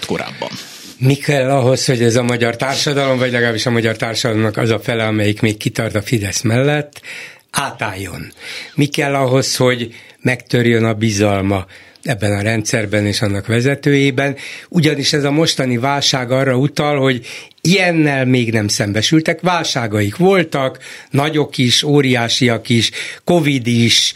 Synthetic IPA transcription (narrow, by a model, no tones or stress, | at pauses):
t̪ko̰ɾa̰ːbːɒ̰n | mikɛlːɒɦo̞sho̞ɟɛzɒmɒɟɒrt̪aːrʃɒd̪ɒlo̞mvɒɟlɛɡaːbiʃɒmɒɟɒrt̪aːrʃɒd̪ɒlo̞mnɒkɒ̰zɒfɛlɛɒmɛjikmeːkːit̪ɒrt̪ɒfid̪ɛsmɛlːɛt̪ː | aːt̪aːjːo̞̰nmikɛlːɒɦo̞sho̞ɟmɛkt̪ørjønɒbizɒlmɒ | ɛbːɛnɒɾɛnt̪sɛrbɛneːʃɒnːɒkʋɛzɛt̪øːjeːbɛnuɟɒniʃɛzɒmo̞ʃt̪ɒnivaːlʃaːɡɒːrːɒut̪ɒlho̞ɟ | ijɛnːɛlmeːɡnɛmsɛmbɛʃylt̪ɛkʋaːlʃaːɡɒjikʋo̞lt̪ɒknɒɟo̞kiʃoːɾijaːʃijɒkiʃko̞vid̪iʃ